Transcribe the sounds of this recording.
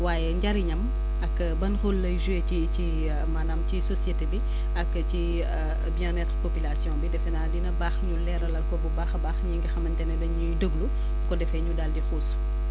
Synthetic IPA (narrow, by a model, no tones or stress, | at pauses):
waːjɛɲɟɐɾiɲɐm | ɐkː | bɐnxolːɐjʒuecici | manaːmcisɔsjetebi | ɐkːci | bjɛ̃nɛtɾpopilasjɔ̃nbidɛfɛnadinɐbaːxɲulɛɾɐlɐlkɔbubaːxɐbaːxɲiŋɡixɐmɐntɛnɛdɐɲujdəɡlu | kɔdɛfɛɲudaldixuːs